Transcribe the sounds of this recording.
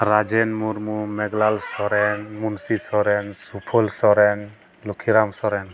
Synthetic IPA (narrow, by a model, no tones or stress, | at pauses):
ɾad͡ʒɛnmuɾmumɛɡlalsɔɾɛnmunsisɔɾɛnsupʰɔlsɔɾɛn | lukʰiɾamsɔɾɛn